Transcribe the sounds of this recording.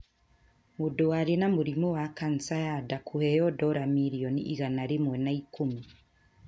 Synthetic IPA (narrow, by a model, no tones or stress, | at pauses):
muduaɾinamuɾimuwakansajadakʰuhɛjɔdɔɾamiɾiɔnḭʔiɣanaɾimwɛnaikumi